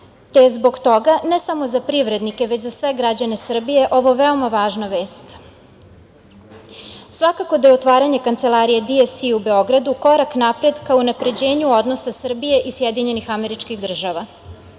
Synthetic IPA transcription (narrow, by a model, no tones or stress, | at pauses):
t̪ezbo̞ɡt̪o̞ɡanesamo̞zapɾiʋɾe̞d̪nike̞ʋe̞t͡ɕzasʋe̞ɡɾad͡ʑane̞sr̩bije̞ʔo̞ʋo̞ʋe̞o̞maʋaːʒnaʋeːst̪ | sʋakako̞d̪ajeot̪ʋaːɾaɲekant̪se̞lˠaɾijed̪iefsiube̞o̞ɡɾad̪uko̞ɾaknapɾe̞d̪kaounapɾe̞d͡ʑe̞ːɲuo̞d̪no̞sasr̩bije̞ʔisjed̪iɲe̞nixame̞ɾit͡ʃkixd̪r̩ʒaʋa